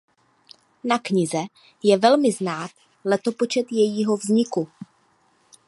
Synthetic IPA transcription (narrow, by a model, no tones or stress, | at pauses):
nakɲɪzɛ | jɛvɛlmɪznaːt̪ | lɛt̪o̞po̞t͡ʃɛt̪jɛjiːɦo̞vzɲɪku